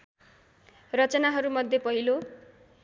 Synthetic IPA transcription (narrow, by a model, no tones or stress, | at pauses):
rʌt͡sʌnaɦʌɾumʌd̪ʱjepʌɦilo